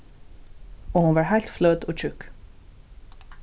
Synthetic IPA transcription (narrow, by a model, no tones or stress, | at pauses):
oːhʊnʋɑːɹhæɪlt̪flœd̪oːc͡çʰʉk